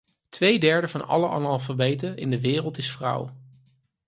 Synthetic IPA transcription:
tʋejdɛɹdəvɑnɑ̰ləʔɑ̰nɑlˠvəɹbejtəɪ̰ndəʋɪːrəlˠtɪsfrʌ̰w

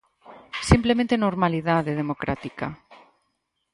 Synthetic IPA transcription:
simplemẽnt̪enoɾmaliðaðeðemokɾʔa̰t̪ika

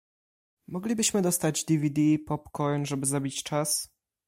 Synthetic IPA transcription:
mɔɡlʲibɘɕmɘd̪ɔst̪ad͡ʑd̪ivʲid̪ipɔpkɔjnʐɛbɘzabʲit͡ɕt͡ʂas

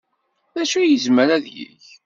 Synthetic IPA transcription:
ðæʃujəzməɾæðjḭç

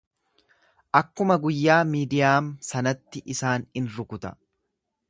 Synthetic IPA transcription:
ʔɐkːʊmɐɡʊjːaːmiːd̪ɪjaːmsɐnɐt̪ːɪʔɪsaːnɪnɾʊkʊt̪ɐ̥

